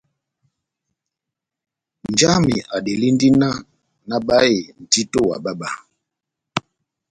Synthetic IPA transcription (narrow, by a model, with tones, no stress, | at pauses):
nd͡ʒa˦mi˨ʔa˨ɗe˨li˦n˦di˦na˦ | na˦ɓa˦e˨n̩˨ti˦to˦wa̰˨ɓa˦ɓa˨